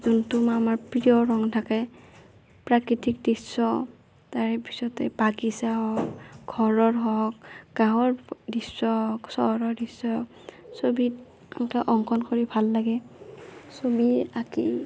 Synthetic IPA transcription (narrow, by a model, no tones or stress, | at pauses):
zuntumamaɹpɹiɔɹɔŋtʰakɛ | pɹakɹitik̚disːɔ | taɹɛpi̥sɔtɛbakisaɦɔkɡʱɔɹɔɹɦɔkɡ̥ãɦɔɹdisːɔɦɔksɔɔɹɔdisɔɦɔk | sobi | amkaʔɔŋkʰɔnkɔɹibʱalːaɡɛ | sobiakḭ